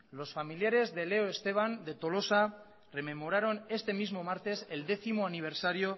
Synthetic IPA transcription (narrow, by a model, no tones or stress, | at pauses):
lo̞sfamiljaɾe̞zðe̞le̞oe̞st̪e̞β̞and̪e̞t̪o̞lo̞sa | re̞me̞mo̞ɾaɾo̞ne̞st̪e̞mizmo̞maɾt̪e̞se̞ld̪e̞θimo̞aniβ̞e̞ɾsaɾio̞